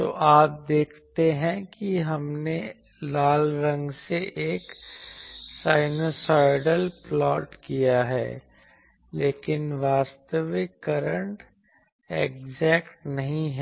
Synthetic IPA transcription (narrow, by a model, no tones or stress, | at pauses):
t̪o̰ːʔaːp̚d̪eːkʰt̪eɦɛ̃kiɦɐmne | laːlɾɐ̃ŋɡseʔeːk | saːɪnoːsaːɪɖəlplɔːʈkijaɦɛ̰ː | leːkɪnʋaːst̪əʋɪkːəɾə̃ɳʈ | ekd͡ʒɛːkʈnɐɦĩɦɛ